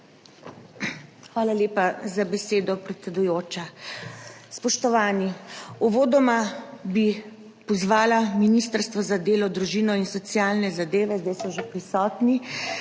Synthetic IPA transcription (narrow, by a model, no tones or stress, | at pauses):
xʋaːlaleːpazabɛseːd̪ɔpɾɛt̪sɛd̪ujoːt͡ʃa | spɔʃt̪ɔʋaːniɔʋoːd̪ɔmabi | pɔzʋaːlaminist̪əɾst̪ʋɔzad̪eːlɔd̪ɾuʒiːnɔinsɔt̪sjaːlnɛzad̪eːʋɛzd̪ajsɔʒepɾisɔːt̪ni